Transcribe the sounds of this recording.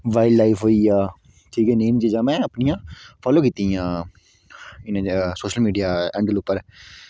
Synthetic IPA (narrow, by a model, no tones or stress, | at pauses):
ʋaːɪlːaːɪfʰɦoːijaː | ʈʰiːkɛːneːmd͡ʒiːd͡ʒãːmɛ̃ːəpnijãːfʰɔːloːkit̪ijãː | ɪñːsoːʃəlmiːɖijaːɛ̃ːɳɖəlʊpːəɾ